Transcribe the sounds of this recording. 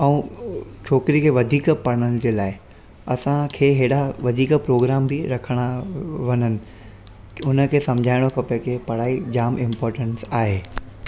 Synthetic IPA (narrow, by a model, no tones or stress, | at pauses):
ɛũt͡ɕʰoːkɾikʰeːʋɐd̪ʱiːkpɐɽ̃ənɪ̆d͡ʑeːlaːɪ | ɐsãkʰeːɦeːɽaʋɐd̪ʱiːkpɾoːɡɾaːmbiɾɐkʰəɽ̃aʋɐnənɪ̆ | ʊnə̆kʰeːsɐ̃md͡ʑʱaːɪɽ̃okɐpekʰepɐɽ̤aːid͡ʑaːmɪ̃mpɔːɾʈə̃nsaːɦeː